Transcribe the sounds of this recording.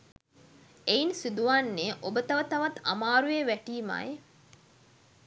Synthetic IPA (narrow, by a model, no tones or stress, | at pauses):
einsid̪uʋanːeʔobət̪ɐʋət̪ɐʋɐt̪a̰maːɾujeʋæʈiːma̰je